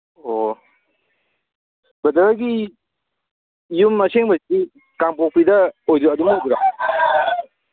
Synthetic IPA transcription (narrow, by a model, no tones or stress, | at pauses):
o | bɐdɐɡi | jumːɐseŋbɐi | kaŋpok̚pidɐojduɐdumduɾa